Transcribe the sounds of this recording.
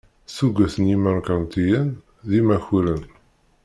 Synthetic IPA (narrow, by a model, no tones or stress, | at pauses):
suɡʷæθəniməɾkɑɾnt̪ijən | ðimæçuɾən